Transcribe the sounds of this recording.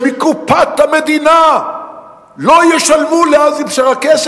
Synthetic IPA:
mikupat̪amed̪ina | lojɛʃalmuleazifʃaʁakɛs

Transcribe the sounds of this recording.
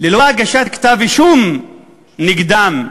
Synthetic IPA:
liloaaɡaʃat̪kt̪aviʃum | niɡd̪am

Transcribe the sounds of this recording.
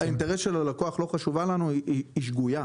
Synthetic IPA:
aint̪eʁesʃelalako̞aχlo̞χaʃuvalanuiiːʃɡuja

